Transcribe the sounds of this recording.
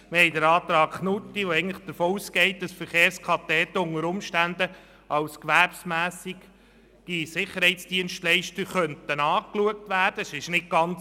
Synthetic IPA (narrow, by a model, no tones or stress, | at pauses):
məhɛɪdəɾɑːt̪ɾɑːkχnut̪ːiʋoɛɪɡəntlɪχd̪̥əɾfoːuːskɛɪt̚d̥ɑsfəɾχeːɾskʰɑt̪ɛːt̪ːʊŋəɾʊmʃtænd̪ə | ɑwskʋæɾpsmæːsikː | isɪχːəɾhɛɪtt͡sd̥iənʃtlɛɪʃtəχœntənɑːkluək̚tʋæːɾd̥əʃɪʃnɪk̚ɡ̥ɑnt͡s